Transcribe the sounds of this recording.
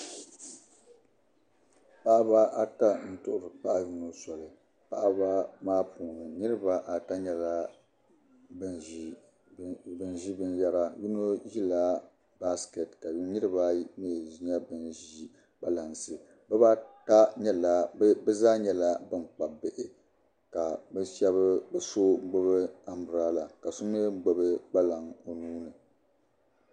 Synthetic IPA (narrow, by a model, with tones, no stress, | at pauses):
pa˦ʔa˦ba˦a˦ta˦n̩˦tʊ˦ʔʊ˨ɾɨ˨k͡pa˦ʔji˦no˦sɔ˨lɨ˨ | pa˦ʔa˦ba˦maː˦pʰuː˨nɨ˨nɨ˦ɾɨ˦ba˦ʔa˨ta˦ɲɛ˨la˦ | b | bɨ˦nʒi˦bɨ˦nja˦ɾa˦ju˦no˦ji˦la˦ | ba˦ske˨tka˨ji˦nɨ˦ɾɨ˦ba˦me˦˨ʒi˦ɲa˦bɨ˦nʒi˦ | ba˦la˨nsɨ˨ | bɛ˦ba˦ta˦ɲɛ˦la˨˦bɛ˦zaː˦ɲɛ˦la˦bɨ˦mk͡pa˨bɪ˨ʔɪ˨ | ka˨bɛ˦ʃɛ˦βɨ˦bɛ˨so˦ŋ͡m̩˦ɡ͡bo˦βɨ˦a˦mʊ˨ɾaː˦la˨ka˨su˦nɨ˦ŋ͡m̩˦ɡ͡bo˦bɨ˦ɡ͡ba˦la˨ŋo˨nuː˦nɨ˨